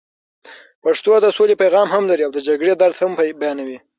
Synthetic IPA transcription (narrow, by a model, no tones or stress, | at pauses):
paʂt̪od̪əsolepajɣɑmhamlaɾiawd̪əd͡ʒaɡɽed̪aɾd̪hambajɑnawi